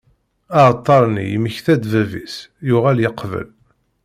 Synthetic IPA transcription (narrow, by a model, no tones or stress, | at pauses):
ɑʕt̪ˤːɑɾˤnḭjməçθæd̪vævḭsjʊʁæljəqvə̰l